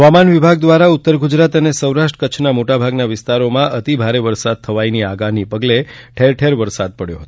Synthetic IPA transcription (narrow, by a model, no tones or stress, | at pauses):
ɦəʋamanʋibʱaɡ̚d̪ʋaɾaut̪ːəɾɡud͡ʒɾat̪ənesəwɾaʃʈɾə̥kət͡ʃʰnamoʈabʱaɡnaʋɪst̪aɾomãʔət̪ibʱaɾeʋəɾsad̪̚t̪ʰəʋainiaɡanipəɡleʈʰeɾʈʰeɾʋəɾsad̪̚pəɽjo̰ɦət̪o̥